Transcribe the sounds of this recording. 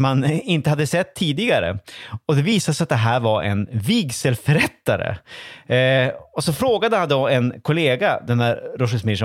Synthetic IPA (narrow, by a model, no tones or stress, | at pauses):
manɪnt̪əhad̪ːəsɛt̪ʰːiːd̪ɪɡaɾə̰ɔd̪ɛviːsasat̪̚d̪ɛɦæːɾvaɾʔɛ̰nviɡsəlfœɾɛt̪ːaɾə̰ | ɔsɔfɾoːɡad̪əhand̪ɔɛnkʰʊleːɡad̪ɛnæɾɾɔʂɪsmɪʂɔ